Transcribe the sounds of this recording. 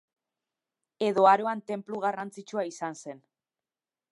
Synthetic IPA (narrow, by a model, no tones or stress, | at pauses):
e̞ðo̞aɾo̞ant̪e̞mpluɣarant͡sit͡ʃuaisanse̞n